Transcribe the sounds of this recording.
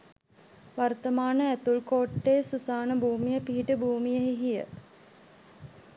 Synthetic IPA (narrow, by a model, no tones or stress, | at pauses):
ʋart̪əmaːnəæt̪ulkoːʈːeːsusaːnəbʱuːmijəpiɦiʈəbʱuːmijəɦiɦijə̰